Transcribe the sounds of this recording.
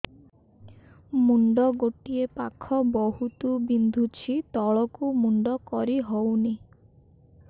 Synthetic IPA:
muɳɖɔɡoʈiepakʰɔbɔɦut̪ubind̪ʱut͡ʃʰit̪ɔɭɔkumuɳɖɔkɔɾiɦowni

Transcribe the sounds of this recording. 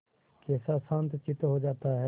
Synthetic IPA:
kɛːsasãːnt̪t͡ʃɪt̪ɦod͡ʒaːt̪aɦɛ

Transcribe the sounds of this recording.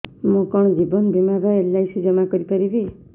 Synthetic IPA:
mũkɔɽ̃ɔd͡ʒibɔnɔbʱimaɾɔelːajsud͡ʒɔmakɔɾipaɾibi

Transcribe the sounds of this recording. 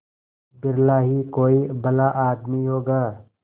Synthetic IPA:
bɪɾlaːɦikoːibɐlaʔaːd̪miɦoːɡaː

